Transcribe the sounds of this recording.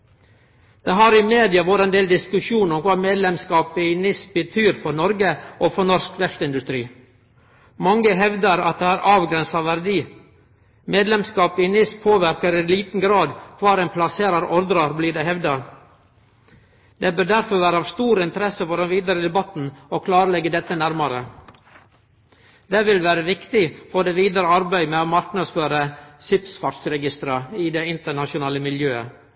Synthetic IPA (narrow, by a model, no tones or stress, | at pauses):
d̪̥ɛɦɑɾɪmeːd̪ɪɑʋoːɾəɛnd̪eːld̪ɪskʉʂuːnɔmkʰʋɑːmeːd̪lɛmskɑːpɪnɪsbət̪ʰyːɾfɔɾnɔɾɡəʔofɔɳɔɾskʰʋɛst̪ɪnd̪ʉst̪ɾiː | mɑŋːəɦɛʋd̪əɾɑ̰t̪̚d̪ɛːæːɾʔɑːʋɡɾɛnsɑʋæɾd̪iː | meːd̪lɛmskɑːpɪnɪspʰoːʋæɾkəɾɪliːt̪n̩ɡɾɑːd̪kʰʋɑːɾɛɪnpʰlɑseːɾɑɾɔɾd̪ɾɑɾbliːdɛɦɛʋd̪ɑɾ | d̪ebœɾɖ̪æɾfɔɾʋæːɾəɑʋst̪uːɾɪnt̪əɾɛsəfɔɖɛnʋiːd̪əɾəd̪ɛbɑt̪n̩okʰlɑːɾəlɛɡːəd̪ɛt̪ːənæɾmɑɾə | d̪ɛʋɪlʋæːɾəʋɪkt̪ɪfɔd̪eːʋiːd̪əɾəɑɾbæɪmɛoːmɑɾknɑd̪sføːɾəsɪpsfɑʈsɾɛɡɪst̪ɾɑɪd̪ɛɪnt̪əɳɑʃʊnɑːləmɪljøːə̰